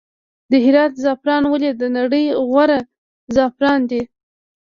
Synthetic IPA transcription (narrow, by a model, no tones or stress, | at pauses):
d̪əɦɪɾɑt̪zɑpɾɑnwəlid̪ənaɽəjɣwaɾa | zɑpɾɑnd̪i